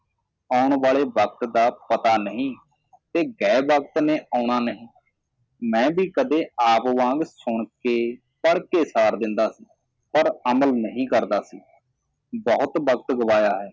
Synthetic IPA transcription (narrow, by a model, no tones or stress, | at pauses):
aːʊɳʋaːɭeːbəkt̪d̪aːpət̪aːnəɦĩː | t̪eːɡɛːbək̚t̪neːʔaːɳ̃aːnəɦĩː | mɛ̃ːbiːkəd̪eːaːpʋãːŋɡsʊɳkeː | pəɽkeːsaːɾd̪ɪnd̪aːsiː | pəɾəməlnəɦĩːkəɾd̪aːsiː | bɔːʊt̪bəkt̪ɡəʋaːjaːɦɛː